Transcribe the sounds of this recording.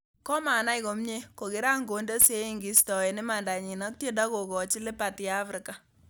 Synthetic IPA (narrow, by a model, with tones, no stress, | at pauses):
kɔ˦ma˨na˦ɪ˦ko˨mɲe˦ko˨kɪ˨˦ɾa˦ŋɡo˨nde˦se˦i˨ŋɡi˨stɔ˨e˨nɪ˦ma˨nda˨ɲi˨na˦k̚tje˦da˦ko˨kɔ˨t͡ʃi˦lɪ˦pa˨tjɛ˦a˦fɾɪ˨ka˨